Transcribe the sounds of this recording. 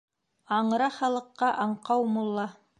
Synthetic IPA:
ɑɴɾɑχɑlˠɤ̆qːɑʔɑɴqɑwmulˠːɑ

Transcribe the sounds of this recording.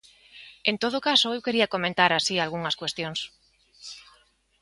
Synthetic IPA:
ẽnt̪oð̞okasoewkeɾiakomẽnt̪aɾasialɣuŋɐskwest̪jõŋs

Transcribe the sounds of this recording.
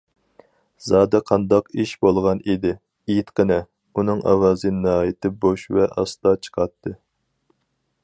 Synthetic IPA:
zɑːd̪ɛqʰɑnd̪ɑqiʃbolˠʁɑnid̪ɪ | ijt̪qənɛ | unɨŋʔɑ̰wɑːzɨnɨɦɑːjit̪ʰɪboʃvɛʔɑ̰st̪ɑt͡ʃʰə̥qʰɑt̪ʰːɨ

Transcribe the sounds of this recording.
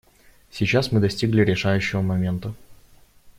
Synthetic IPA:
sʲit͡ɕasmɨd̪ɐsʲtʲiɡlʲɪɾʲɪʂajʉɕːɪvəmɐmʲe̞nt̪ə

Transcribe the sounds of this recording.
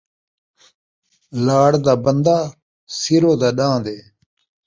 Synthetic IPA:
laːɽd̪aːbənd̪aː | siɾoːd̪aːɗãːd̪eː

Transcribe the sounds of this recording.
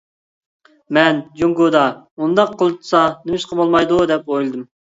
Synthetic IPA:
mɛnd͡ʒuŋɡod̪ɑund̪ɑqʰːolˠɨt̪ʰsɑnɪmɪʃqɑbolˠmɑjd̪ud̪ɛpojlˠɨd̪ɨm

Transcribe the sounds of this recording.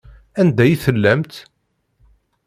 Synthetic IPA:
ænd̪æjθəlːæmt̪

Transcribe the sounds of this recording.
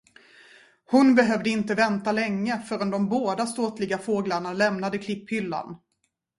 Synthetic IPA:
hʊnbɛɦœːvd̪əɪnt̪əvɛnt̪alɛŋːəfœɾɔnd̪ɔmboːd̪ast̪oːt̪lɪɡafoːɡlaɳalɛmnad̪əkʰlɪpːhʏlːa̰n

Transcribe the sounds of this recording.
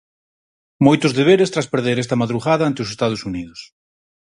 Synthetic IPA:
mojt̪ʊzðeβ̞eɾest̪ɾaspeɾðeɾɛst̪ɐmaðɾuɣaðɐant̪eosest̪að̞osuniðʊs

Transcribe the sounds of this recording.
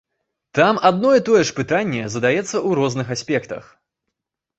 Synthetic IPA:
t̪amad̪nɔjɛt̪ɔjɛʂpɨt̪anʲːɛzɐd̪ajɛt̪sːɐuɾɔznɨxasʲpʲɛkt̪ɐ̰x

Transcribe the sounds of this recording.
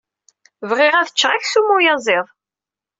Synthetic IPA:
vʁɪʁæθə̥t͡ʃːʁæçsumʊjɑzˤɪðˤ

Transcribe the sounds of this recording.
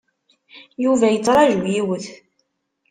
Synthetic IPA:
juvæjət͡sːɾˤɑʒwjiwəθ

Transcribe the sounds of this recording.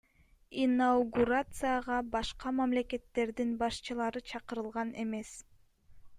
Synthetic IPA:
inauɡuɾat̪sɨjaʁɑbɑʃqɑmæmle̞ke̞t̪ːe̞ɾd̪inbɑʃt͡ʃɯlˠɑɾɯt͡ʃʰɑqɯɾɯlˠʁɑne̞me̞s

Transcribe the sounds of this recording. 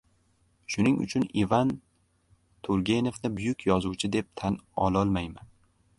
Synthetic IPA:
ʃʊnɪŋʊ̰t͡ʃʰʊnivan | t̪ʰʊɾɡʲe̞nevnɪbʊjʊkʲʰjɒzʊwt͡ʃʰɪd̪e̞p̚t̪ʰanɒlˠɒlˠmajman

